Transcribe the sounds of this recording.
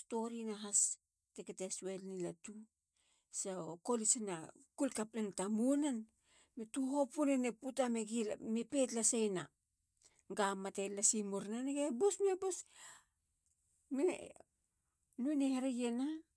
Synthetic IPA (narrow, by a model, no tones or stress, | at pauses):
sto̞ɾinaɦas | teketeswelnilatu | sako̞lisanakulkaplantamunan | metuɦopuneneputameɡilmepetlasejna | ɡamːatelasimuɾnaneɡebosmebos | meḛ | nujneheɾejena